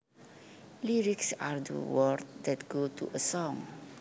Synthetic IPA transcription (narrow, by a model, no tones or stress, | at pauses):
liɹiksaɹdə̰wəɹtdɛtɡ̥otṵʔəsɔ̃ŋ